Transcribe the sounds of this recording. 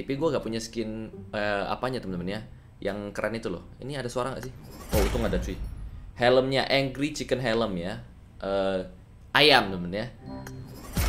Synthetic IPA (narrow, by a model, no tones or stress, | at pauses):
t̪ipiɡuaŋɡaʔpuɲaskɪnəa̰paɲat̪əmənmənja | jʔaŋkəɾʔanit̪ulʊ̰hḭniadasoaɾaŋɡa̰ʔsɪout̪uŋɡadat̪uihɛləmɲaʔɛŋɡɾit͡ʃikənɦɛləmja | ʔə | ʔajamt̪əmənja